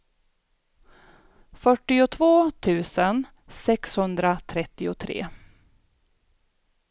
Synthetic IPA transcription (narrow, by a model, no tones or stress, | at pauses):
fœʈːɪʊt̪ʰvoːt̪ʰʉ̟ːsən | sɛkshɵnd̪ɾat̪ʰɾɛt̪ːɪʊt̪ʰɾḛː